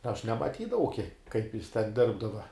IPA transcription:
ɐʃ nʲɛmɐˈtʲiːdɐʋɐʊ kʲiɛk kɐɪp jɪs tʲɛn ˈdʲɪrbdɐʋɐ

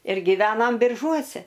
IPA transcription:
ɪr ɡʲɪˈʋʲæːnɐm bʲɪrˈʒuɔsʲɛ

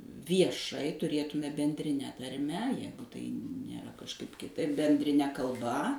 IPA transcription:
ʋʲiɛˈʃɐɪ tʊˈrʲeːtʊmʲeːmʲɛ bʲɛnʲdʲrʲɪˈnʲɛ tɐrʲˈmʲɛ ˈjæːɡʊ tɐɪ nʲeːˈrɐ kɐʃˈkɐɪp kʲɪˈtɐɪp bʲɛnʲdʲrʲɪˈnʲɛ kɐlˠˈbɐ

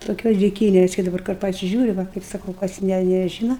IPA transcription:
toːˈkʲoːs dʲɪˈkʲiːnʲɛs kɐɪ dɐˈbɐr kʊr pɐsʲɪˈʒʲuːrʲɪ ˈʋɐ kɐɪp sɐˈkɐʊ kɐs ˈnʲɛ nʲɛˈʒʲiːnɐ

